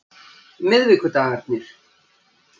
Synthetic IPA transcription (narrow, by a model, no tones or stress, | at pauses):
mɪðvɪkʏt̪aːɣat̪̚nɪɾ̥